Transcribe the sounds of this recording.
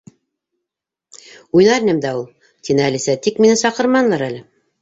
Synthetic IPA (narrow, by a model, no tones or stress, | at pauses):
ujnɑɾinɘmd̪æulˠ | t̪inɘælisæt̪ikminɘsɑqɤ̆ɾmɑnlˠɑɾælɘ